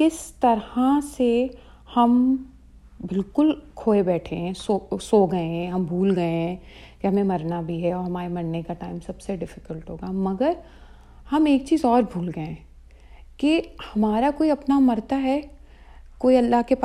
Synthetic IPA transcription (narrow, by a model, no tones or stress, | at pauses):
kɪst̪ɐɾhase | hɐm | bɪlkʊlkʰoːebɛːʈʰẽɦɛ̃sosoːɡɐẽɦɛ̃ɦɐmbʱuːlɡɐẽɦɛ̃ | kɪɦɐmẽmɐɾnabʱiɦɛɔːɾɦɐmaːɾemɐɾnekaʈaːɪmsɐbseɖɪfɪ̥kəlʈɦoːɡamɐɡəɾ | hɐmeːk̚t͡ʃiːzɔːɾbʱuːlɡɐẽ | kihɐmaːɾakoːiɐpnamɐɾt̪aɦɛː | koːiɐlːaɦkepː